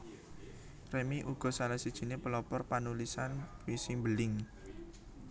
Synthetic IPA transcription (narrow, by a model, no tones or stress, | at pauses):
remiʔuɡ̥ɔ̤salahsid̥ʒ̥i̤nepəlɔpɔrpanulisanwisimbəlɪŋ